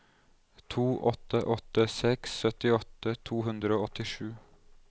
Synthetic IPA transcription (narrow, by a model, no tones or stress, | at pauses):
t̪ʰuːʔɔt̪əʔɔt̪əsɛksːœt̪ɪɔt̪ət̪ʰuːɦʉnd̪ɾəoːɔt̪ɪʃʉː